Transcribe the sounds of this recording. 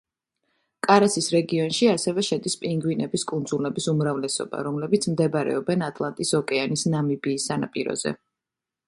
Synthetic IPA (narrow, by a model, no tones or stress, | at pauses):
kʼaɾasisɾɛɡiɔnʃiasɛvɛʃɛd̪ispʼiŋɡwinɛbiskʼund̪zulnɛbisumɾavlɛsɔ̰b̥a̰ɾɔmlɛbit̪sʰmd̪ɛbɾɛ̰ɔbɛnat̪ʼlˠant̪ʼisɔkʼɛanisnamibiːsːanapʼiɾɔ̰z̥ɛ̰